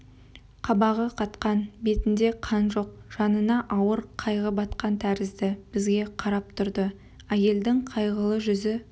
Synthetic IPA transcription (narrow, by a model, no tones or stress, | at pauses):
qʰɑbɑʁəqʰɑt̪qɑnbe̞t̪ɪnd̪e̞qʰɑnʒo̞q̚ʒ̥ɑnənɑʔɑwəɾqʰɑjʁəbɑt̪qɑnt̪ʰæɾɪzd̪ɪb̥ɪzɡʲe̞qʰɑɾɑp̚t̪ʰʊɾd̪ə | æje̞ld̪ɪŋqʰɑjʁəlˠəʒʏzɪ